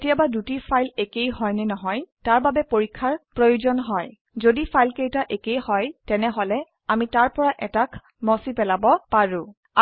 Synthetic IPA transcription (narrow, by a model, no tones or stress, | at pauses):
tijabadutipʰajlekejɦɔjnɛnɔɦɔjtaɹbabɛpoɹikʰːaɹpɹojuzɔnɦɔj | zodipʰajlkejtaʔekejhɔjtɛnɛɦɔlɛ | amitaɹpɔɹaʔɛtakʰ | mɔsipɛlabɔpaɹʊ̃